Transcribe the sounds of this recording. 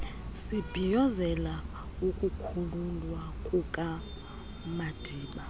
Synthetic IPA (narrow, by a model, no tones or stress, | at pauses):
sib̥ʱijɔzɛla | ukʼukʰululwakʼukʼa | mad̥ʱiːɓa